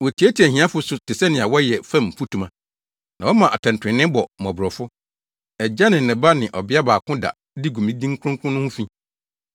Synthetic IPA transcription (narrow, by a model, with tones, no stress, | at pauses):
wɔ˨tʰi˨æ˦tʰi˨æ˨ɦĩ˨˦ã˦fʊ˦sʊ˨˦tʰɪ˨sɛ˦nɪ̃˨a˨wɔ˦jɛ˨fã˦˨m̩˨fu˦tʰũ˨mã˨ | nã˨wɔ˦mã˨ʔa˨tʰɛ̃˨n̩˨tʰɪ̃˨nɪ̃˦bɔ˨mɔ̃˨bɾɔ˨fʊ˦ | ɛ˨d͡ʑa˦nɪ̃˨nɪ̃˨ba˦nɪ̃˨ʔɔ˨bɪ˦a˦baː˨kʰʊ̃˦da̰˨ | di˦ɡu˨mĩ˦dĩ˦ŋ̩˦kʰʊ̃˦kʰʊ̃˦nʊ̃˦hʊ̃˦fĩ˦